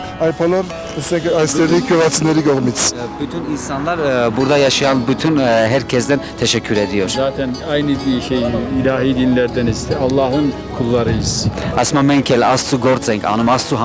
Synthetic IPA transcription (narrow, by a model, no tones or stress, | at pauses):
ɑjpʰɔlɔɾ | əsɛŋkʰɑjsɛʁikʰuʁɑt͡sʰinɛɾiɡɔʁmit͡sʰbut̪ʰuninsɑnlɑɾbuɾd̪ɑjɑʃiɑnbut̪ʰunɦɛɾkʰɛzd̪ɛnt̪ʰɛʃɛkʰuɾɛd̪ijɔʃsat̪ʰɛnɑjnid̪iʃɛilɑɦid̪inlɛɾd̪ɛnist̪ʰɛɑlˠːɑɦən | kʰulːɑɾɛjisɑsmɑmɛŋkʰɛlɑst͡suɡɔɾt͡sɛŋkʰɑ̰numɑst͡su